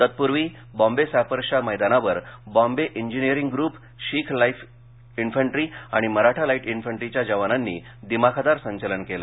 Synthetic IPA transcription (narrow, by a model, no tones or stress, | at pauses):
t̪ət̪̚puɾʋiː | bɔ̃mbesafəɾɕaməjd̪anaʋəɾbɔ̃mbeʔiɲd͡ʑinijəɾiŋɡɡɾuːp | ɕiːkʰlajf | infəɳʈɾiːaɽ̃iməɾaʈʰalaiʈinfəɳʈɾit͡ɕjad͡ʑəʋananːḭː | d̪imakʰad̪aɾsəɲt͡ɕələnkela